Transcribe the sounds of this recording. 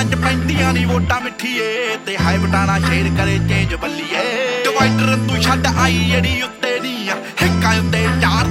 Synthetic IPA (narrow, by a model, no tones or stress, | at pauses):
ə̃ɲd͡ʒpɛ̃ːnd̪ijãːniːʋoːʈãːmɪʈʰːiːeːt̪eːɦaːɪʋəʈãːnãːt͡ʃeːnkəɾeːt͡ʃẽːd͡ʒbəlːiːɛːtɪʋaːɪʈəɾənt̪ũiʃəɖʔaːiːeːɽiːʊt̪ːeːniː | hɪkːãːʊnd̪eːt͡ʃaːɾ